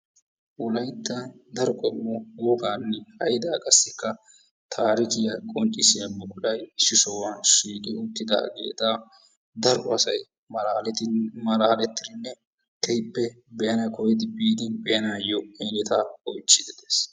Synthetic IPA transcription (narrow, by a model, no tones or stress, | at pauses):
ʔʊlɐjt̪ːɐd̪ɐɾɔkʼɔmːɔɡoːɡaːnːɛhɐjd̪aːkʼɐsːɪkːɐ | t̪ʰaːɾɪkɪjɐkʼɔnt͡ʃʼːɪsɪjɐmːɔkʊᶑɐjʃɪsɔwaʃiːkʼɪʊt̪ːɪd̪a̰ɡḛːt̪aː | d̪ɐɾʊɐsɐj | mɐlːlɛt̪mɐlaːlɛt̪ːɪɾɪnːɛ | kʰɛjpːɛ | bɛjɐnɐkɔjɪd̪ɪbiːd̪ɪnbɛjɐnaːjɔelɛt̪aːɔjt͡ʃːɪd̪ɪd̪eːs